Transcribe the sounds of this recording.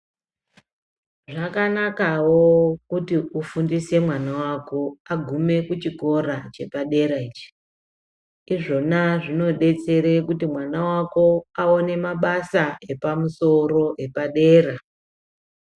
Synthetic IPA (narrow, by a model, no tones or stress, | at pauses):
ʐakanakawokutiufundise̞mwanawako̞aɡʱume̞kut͡ʃiko̞ɾat͡ʃe̞paɗe̞ɾait͡ʃi̥ | iʐo̞naʐino̞ɗe̞t͡se̞ɾekutimwanawako̞aone̞maɓasae̞pamuso̞ro̞e̞paɗe̞ːra